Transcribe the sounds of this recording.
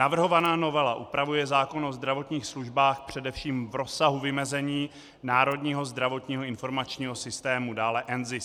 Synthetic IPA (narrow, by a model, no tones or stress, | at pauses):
navr̩ɦo̞vanaːno̞vɛlaʔupɾavujɛzaːko̞nozd̪ɾavo̞t̪ɲiːxsluʒbaːxpr̝̥ɛdɛfʃiːmvɾo̞saɦuvɪmɛzɛɲiː | naːɾo̞dɲiːɦo̞zd̪ɾavo̞t̪ɲiːɦoɪnfo̞ɾmat͡ʃɲiːɦo̞sɪst̪ɛːmudaːlɛʔɛnzɪs